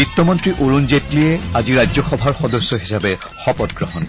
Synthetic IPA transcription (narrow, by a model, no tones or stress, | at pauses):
itːɔmɔntɹiʔoɹunzetliɛaziɹajzɔxɔbʱaɹxɔdɔsːɔɦisabɛ | xɔpɔtɡɹɔɦɔn